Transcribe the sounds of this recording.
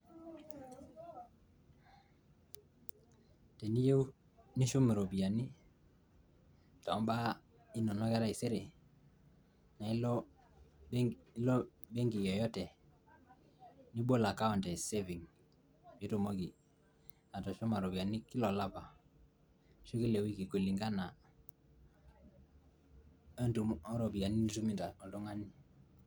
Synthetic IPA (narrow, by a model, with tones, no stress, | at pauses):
tɛ˨ni˦je˦w | ni˦ʃu˦m˨ɾo˨bi˨a˨ni˦ | tɔ˨˦mba˦ | i˦nɔ˨nɔ˦ɡɛ˦ɾa˦i˨se˦ɾe˨ | na˨i˦lɔ˦ | lɔ˦ | be˦ŋɡi˨jɔ˨jɔ˦tɛ˨ | ni˦bo˦la˨ka˦ɔ˨ntɛ˨se˦vi˨ŋ | jo˦to˨mo˦ɡi˨ | a˨tɔ˨ʃɔ˦ma˨ɾo˨bi˨a˨ni˦ki˦lɔ˨la˦pa˨ | ʃo˦ki˦le˨wi˦ki˨ko˨li˨ŋɡa˦na˨˦ | nu˨ɔ˦ɾo˨bi˨a˨ni˦n˦tu˦mi˨nta˨ɔ˨dɔ˦ŋa˦ni˦